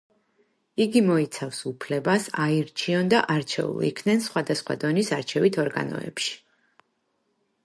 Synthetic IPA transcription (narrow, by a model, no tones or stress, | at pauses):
iɡimɔit̪sʰafsupʰlɛbasaiɾt͡ʃʰiɔnd̪aʔaɾt͡ʃʰɛ̰ṵlˠḭkʰnɛnsχwad̪asχwa̰d̪ɔnisaɾt͡ʃʰɛvit̪ʰɔɾɡa̰nɔ̰ɛ̰pʃi̥